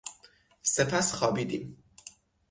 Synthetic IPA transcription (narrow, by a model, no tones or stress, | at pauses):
sepʰæsxɒːbiːd̪ḭːm